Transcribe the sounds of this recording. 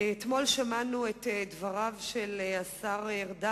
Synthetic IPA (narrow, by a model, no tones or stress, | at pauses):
et̪mo̞lʃamanuetdvaʁavʃelasaʁeʁda